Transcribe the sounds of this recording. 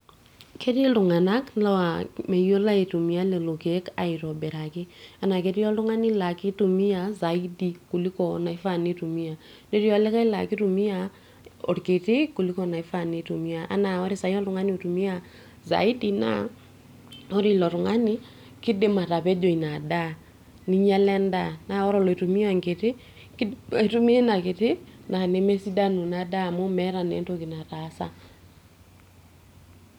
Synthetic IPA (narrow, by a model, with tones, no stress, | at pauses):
kʰe˦ɾi˦lu˨ŋa˨na˦kla˦wa˨mɛ˨jo˦la˦e˨tu˨mi˨a˦lɛ˨lo˨ke˨˦ka˨i˨ɾɔ˨bɛ˨ɾa˨kɪ˦a˨na˨ke˦ɾi˦jɔ˦lʊ˦ŋa˦nɪ˦la˨ki˦tu˨mi˦a˨za˨i˦di˨ku˨li˦kɔ˨na˨i˦fa˦˨ni˦tu˨mi˦a˨ | ne˦ɾi˦ɔ˦lɛ˦ka˦i˦la̰˨ki˦tu˨mi˦a˨ | o̰˨ɾke˨ti˦ku˨li˦kɔ˨na˨i˦fa˦˨ni˨˦tu˨mi˦a˨ʔa̰˦na˨ɔ˦ɾi˦sa˨jɔ˦lʊ˨ŋa˦n˦˨tu˨mi˦a˦ | za̰˨i˦di˦na̰˦ | ɔ˦ɾɪ˦˨lɔ˨ɾʊ˨ŋa˦nɪ˦ | kɪ˦de˦ma˨ta˨pɛ˦d͡ʒo˨i˨na˨da˦ | ni˦ɲa˦lɛ˦nda˦˨na˨˦ɔ˦ɾɔ˦˨lɔ˨tu˨mi˦a˦˨ŋɡe˨tɪ˦ | ktu˦mi˦na˨ke˨tɪ˦na˨ne˦mɛ˦si˦da˦nu˨na˨da˦˨mo˦mɛ˦ɾa˨nɛ̰˨˦to˦ki˨na˨ta˨˦sa̰˦